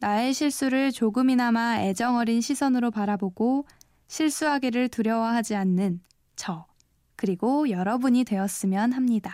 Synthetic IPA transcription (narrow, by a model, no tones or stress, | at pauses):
nae̞ɕʰiɭs͈uɾɯɭt͡ɕoɡɯminamae̞d͡ʑʌŋʌɾinɕʰisʰʌnɯɾopaɾaboɡo | ɕʰiɭs͈uɦaɡeɾɯɭtuɾjʌwʌɦad͡ʑianːɯn | t͡ɕʌ | kɯɾiɡojʌɾʌbuɲidwe̞ʌs͈ɯmjʌnhamɲida